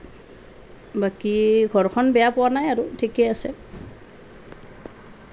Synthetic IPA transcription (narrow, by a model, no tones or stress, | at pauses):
bakiɡʱɔɹkʰɔnbɛjapʊwanajaɹʊtʰikɛasɛ